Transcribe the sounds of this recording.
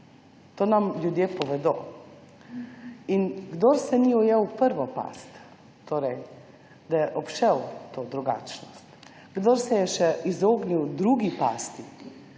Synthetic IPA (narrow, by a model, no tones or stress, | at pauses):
t̪oːnamlʲjud̪jeːpɔʋɛd̪oː | inɡd̪oːɾsɛniːujɛwpəɾʋɔpa̰ːst̪ː | oːɾɛj | d̪ɐjɛʔɔpʃɛwt̪oːd̪ɾuɡa̰ːt͡ʃnɔst̪ | ɡd̪oːɾsɛjɛʃɛizoːɡniwd̪ɾuɡipaːst̪i